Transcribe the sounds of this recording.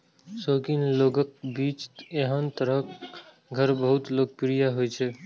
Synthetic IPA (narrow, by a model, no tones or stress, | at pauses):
soːɡinloːɡəkbiːt͡ʃeɦənt̪əɾək | ɡʱəɾbəɦʊt̪loːɡ̚pɾijaɦojt͡ʃʰe